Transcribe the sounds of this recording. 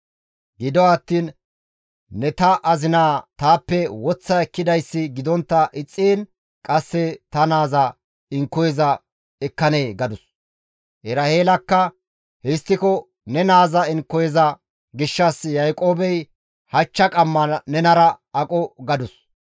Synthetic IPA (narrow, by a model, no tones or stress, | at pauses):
ɡɪd̪ɔɐt̪ːiːnː | ɛt̪ɐʔɐzɪnaːt̪aːpːɛwɔt͡sːɐɛkːɪd̪ɐjsːɪɡɪd̪ɔnt̪ːɐʔɪt͡sʼːeːn | kʼɐsːɛt̪ɐnaːzɐ | ɪŋkːɔjɛzɐ | ɛkːɐneːɡɐd̪ʊs | ʔɛɾɐheːlɐkːɐ | hɛst̪ːɪkɔ | nɛnaːzɐɪŋkːɔjɛzɐ | ɡɪʃːɐsjɐjkʼo̞ːbɛj | hɐt͡ʃːɐkʼɐmːɐnɛnɐɾɐ | ɐkʼɔɡɐd̪ʊs